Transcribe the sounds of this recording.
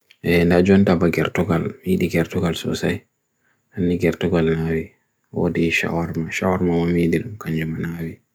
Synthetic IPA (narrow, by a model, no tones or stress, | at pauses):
ʔɛndad͡ʒɔntabaɡɛɾtɔɡalmiɗiɡɛɾtɔɡalsɔ̰saj | hanːiɡɛɾtɔɡalnawi | wɔ̰dɛʃa̰waɾmaʃawaɾmawɔmidiɗumkaɲd͡ʒumanawi